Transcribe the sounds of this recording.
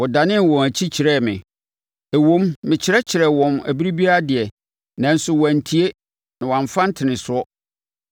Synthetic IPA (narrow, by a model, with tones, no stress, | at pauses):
wɔ˨da˨nɪ̃˦n˨wɔ̃˨æ˨t͡ɕʰi˦t͡ɕʰɪ˨ɾɛ˦˨mɪ̰̃˨ | æ˨wõ˦mːɪ̃˨t͡ɕʰɪ˨ɾɛ˦t͡ɕʰɪ˨ɾɛ˨wɔ̃˨mæ̰˨bi˦ɾi˦bi˦a˦dɪ˨ɛ˨ | nã˨n̩˦sʊ˦wæ̃˨n̩˨tʰi˦e˦ | nã˨wã˨ɱ˨fã˦n̩˦tʰɪ˨nɪ̃˨sʊ˨˦ɔ˦